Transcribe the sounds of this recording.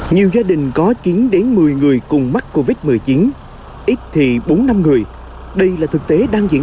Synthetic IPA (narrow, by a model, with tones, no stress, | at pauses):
ɲi˨˩wzaː˧ɗï˨˩ŋ̟kɔ˨˦t͡ɕi˨˦nɗe˨˦nmɨ˨˩əjŋɨ˨˩əjkʊ˨˩ŋ͡mma˦˥t̚kːo˧vi˦˥t̚mɨ˨˩əjt͡ɕi˨˦n | ʔi˦˥t̚t̪ʰi˨˩ɓo˨˦nːa˧mŋɨ˨˩əj | ɗə˧jlaː˨˩t̪ʰɨ˨˩k̚t̪e˨˦ɗaː˧ŋzḭ˧˥